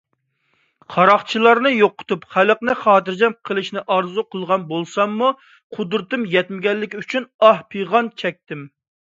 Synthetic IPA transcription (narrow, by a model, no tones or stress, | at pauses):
qʰɑɾɑχt͡ʃʰilˠɑɾnɨjoqːʊ̥t̪upχæləqnɨχɑːt̪ɨɾd͡ʒɛmqʰəlˠɨʃnɪʔɑɾzuqʰəlˠʁɑnbolˠsɑmːu | qʰʊd̪ɾɨt̪ɨmjɛt̪mɪɡʲɛnlːɪkʲyt͡ʃʰynɑhpʰɨjʁɑnt͡ʃʰɛk̚ʲt̪ɪm